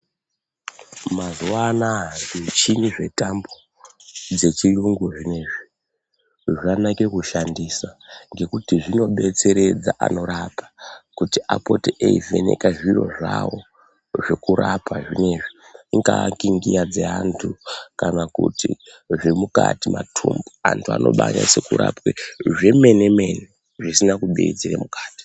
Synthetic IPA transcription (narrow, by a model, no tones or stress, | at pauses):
mazuwanandit͡ʃiniʐe̞tambo | d͡ze̞t͡ʃiruŋɡuʐine̞ːʐi | ʐanake̞kuʃandisaŋɡe̞kutiʐino̞ɓe̞t͡se̞ɾe̞d͡zaʔa̰no̞ɾapʰḁkutiʔa̰po̞tieive̞̰ne̞̰kaʐiro̞̰ʐawo̞ | ʐe̞kuɾapʰaʐine̞ʐiŋɡakiŋɡijad͡zeantʰukanakuti | ʐemukatimatʰumbuantʰua̰no̞̰ɓaɲase̞kuɾa̰pweʐe̞me̞neme̞ne | ʐisinakuɓeid͡zirḛmukḁːti̥